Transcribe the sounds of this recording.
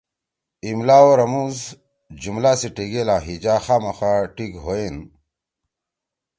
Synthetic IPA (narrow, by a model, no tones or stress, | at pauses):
imlaːoɾɐmuz | d͡ʑumlaːsiʈiɡelãːɦid͡ʑaːxaːmɐxaʈikɦoen